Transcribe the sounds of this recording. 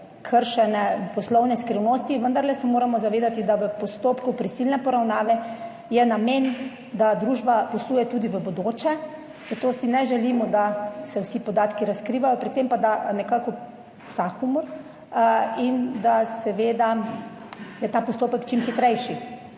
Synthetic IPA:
kʰəɾʃɛnɛpɔslɔwnɛskɾiwnost̪iʋənd̪aɾlɛsɛmoːɾamɔzaʋeːd̪at̪id̪aʋəpɔst̪oːpkupɾisilnɛpɔɾawnaːʋɛ | jɛnameːn | d̪ad̪ɾuːʒbapɔsluːjɛt̪uːd̪iʋəbod̪oːt͡ʃɛ | z̥at̪oːsinɛʒɛliːmɔd̪asɛwsipɔd̪aːt̪kiɾaskɾiːʋajɔpɾɛt̪sempad̪anɛkakɔ | wsakumɔɾ | ind̪asɛʋeːd̪a | jɛt̪apɔst̪oːpəkt͡ʃimxit̪ɾɛjʃi

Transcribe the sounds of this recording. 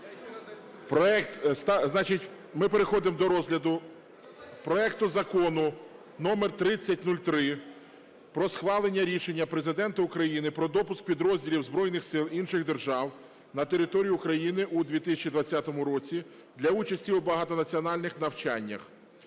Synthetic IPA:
pɾɔɛkt̪st̪ɑznɑt͡ʃɪtʲ | mɪpe̞ɾexɔd̪ɪmd̪ɔɾɔzɦlʲɐd̪ʊ | pɾɔɛkt̪ʊzɐkɔnʊ | nɔmert̪ɾɪt͡sʲːɐtʲnulʲt̪ɾɪ | pɾɔsxʋɑlˠenʲːɐɾʲiʃe̞nʲːɐpɾe̞zɪd̪ɛnt̪ɐʊkɾɐjinɪpɾɔd̪ɔpʊsk̚pʲid̪ɾɔzʲdʲilʲiwzbɾɔjnɪxsɪlˠinʃɪɣd̪e̞rʒɑw | nɐt̪eɾɪt̪ɔɾʲijʊʊkɾɐjinɪʔud̪ʲʋʲit̪ɪsʲɐt͡ʃid̪ʋɐt͡sʲːat̪ɔmʊɾɔt͡sʲi | d̪lʲɐut͡ʃɐsʲtʲiubɐɦɑt̪ɔnɐt͡sʲiɔnɑlʲnɪxnɐwt͡ʃa̰nʲːɐ̰x

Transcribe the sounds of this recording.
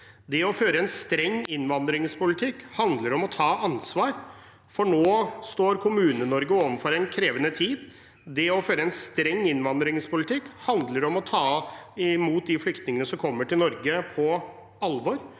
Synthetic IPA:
d̪ɛɔføːɾəɛnst̪ɾɛŋːɪnʋɑnd̪ɾɪŋspʊlɪt̪ʰɪkːhɑnd̪ləɾɔmɔt̪ʰɑːʔɑnsʋɑːɾ | fɔɳoːst̪oːɾkʰʊmʉːnənɔɾɡəoːʋənfɔɾɛnkʰɾeːʋənət̪ʰiːd̪ | d̪ɛɔføːɾəɛnst̪ɾɛŋːɪnʋɑnd̪ɾɪŋspʊlɪt̪ʰɪkːhɑnd̪ləɾɔmɔt̪ʰɑːɪmuːt̪̚d̪ɪflʏkt̪nɪŋənəsɔmkʰɔmːəʈʰɪlnɔɾɡəpʰɔ | ɑlʋɔɾ

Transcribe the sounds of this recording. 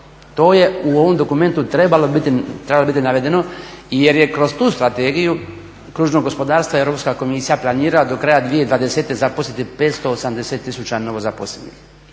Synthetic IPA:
t̪o̞ːje̞uoʋo̞md̪o̞kume̞nt̪ut̪ɾebalobit̪it̪ɾebalobit̪inaʋe̞d̪e̞no̞je̞ɾjekɾo̞zt̪uːst̪ɾat̪eːɡiju | kɾuːʒno̞ɡo̞spo̞d̪aːɾst̪ʋaeɾo̞pskako̞misijaplˠaniːɾalad̪o̞kɾaːjad̪ʋije̞id̪ʋaːd̪ese̞t̪e̞zaposlʲet̪ipe̞ːt̪st̪oosamd̪e̞se̞t̪ːisut͡ʃano̞ʋo̞zapo̰slḛnḭx

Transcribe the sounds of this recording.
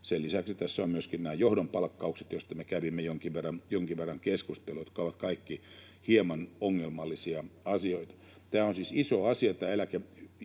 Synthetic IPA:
sellisæksit̪æsːæommyøskinnæːjohdompɑlkːɑukset̪jost̪ɑmekæʋimːejoŋkiʋʋerːɑnjoŋkiʋʋerːɑŋkeskust̪elujot̪kɑoʋɑt̪kɑikːi | hiemɑnoŋːelmɑlːisiɑɑsioit̪ɑ̥ | t̪æːonsisisoɑsiɑt̪æːelæke

